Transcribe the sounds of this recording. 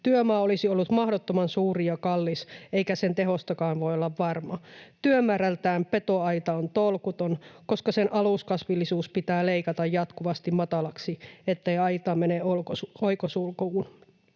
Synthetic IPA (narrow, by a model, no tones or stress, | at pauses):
t̪yømɑːolisiolːut̪mɑhdot̪ːomɑnsuːrijɑkɑlːiseikæsent̪eɦost̪ɑkɑːnʋo̞iolːɑʋːɑrmɑt̪yømæːɾælt̪æːmpet̪o̞ɑit̪ɑont̪olkut̪onko̞skɑsenʔɑluskɑsʋilːisuːspit̪æːleikɑt̪ɑjjɑt̪kuʋɑst̪immɑt̪ɑlɑksiet̪ːeiɑjt̪ɑːmeneoooikosulkuːn